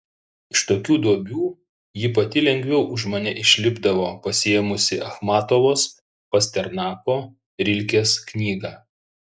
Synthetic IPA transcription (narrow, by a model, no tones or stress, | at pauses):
ɪʃt̪oːkʲuːd̪uɔbʲuː | jɪpɐt̪ʲɪlʲɛŋʲɡʲʋʲɛʊʔʊʃmɐnʲɛʔɪʃʲlʲɪbd̪ɐʋoːpɐsʲɪjɛmʊsʲɪʔɐxmɑːt̪oʋoːs | pɐsʲt̪ʲɛɾnɑːkoː | ɾʲɪlʲkʲeːsknʲiːɡɑː